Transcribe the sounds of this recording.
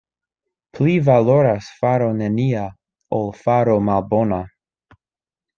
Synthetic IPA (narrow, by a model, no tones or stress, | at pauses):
pʰlivaloɾasfaɾonenia | olfaɾomalbona